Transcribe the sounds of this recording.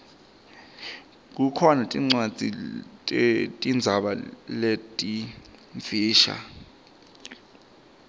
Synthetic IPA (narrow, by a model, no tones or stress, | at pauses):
k̬ukʰɔnatʼiŋ͡ǀwḁd͡z̥ʱi | tʼind͡zʱaɓaletʼiɱfiːʃa̰